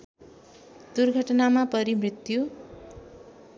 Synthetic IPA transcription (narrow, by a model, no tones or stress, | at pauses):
d̪̥urɡʱʌʈnamapʌɾimrit̪ju